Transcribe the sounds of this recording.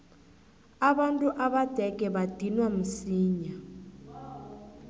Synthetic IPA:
aβantʼuʔaβad̥ʱɛɡʱɛβad̥ʱinwam̩siːɲa

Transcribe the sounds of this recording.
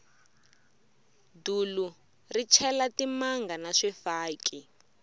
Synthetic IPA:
dulu | rit͡ʃʰɛlatimaŋɡanaʂɛfaːkʼi

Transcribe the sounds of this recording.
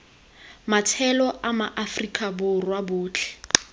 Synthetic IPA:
matʰɛlɔʔamaʔafrikʼabʊrwabʊːt͡ɬʰɛ̥

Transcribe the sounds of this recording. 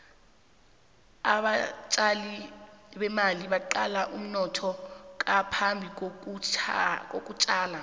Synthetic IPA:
aɓat͡ʃʼaliɓɛmaliɓaǃalaʔum̩nɔtʰɔk̬ʼapʰambʱik̬ok̬ʼ | kʼok̬ʼut͡ʃʼaːla

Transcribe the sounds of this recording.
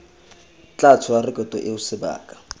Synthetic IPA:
t͡ɬʼat͡sʰʊarɪkʼɔtʼɔʔɪʊsɪba̰ːkʼḁ

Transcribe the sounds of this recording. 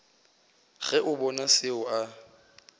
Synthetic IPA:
ɣɛʔʊbɔnasɪʊa

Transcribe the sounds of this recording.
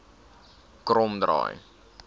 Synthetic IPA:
kromdrɑ̰ːj

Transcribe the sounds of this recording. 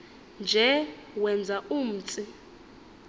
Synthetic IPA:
nd͡ʒʱɛwɛnd͡zʱaum̩ːt͡sʼi

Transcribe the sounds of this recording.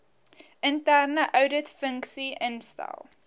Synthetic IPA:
ʔəntærnəʔœwdətfəŋksiʔənstɛ̰lˠ

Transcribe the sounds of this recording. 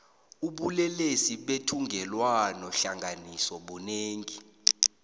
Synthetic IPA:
uɓulɛlesiɓetʰuŋɡʱɛlwanɔɬaŋɡʱanisɔɓuneːŋi

